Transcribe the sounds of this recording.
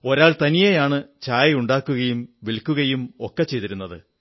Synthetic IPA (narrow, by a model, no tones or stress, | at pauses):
o̞ɾaːɭt̪ɐnijejaːɳɨt͡ɕaːjɐuɳɖaːkːuɣɐjumʋilkʲːuɣɐjumokːɐt͡ɕːe̞jt̪iɾunːɐðɨ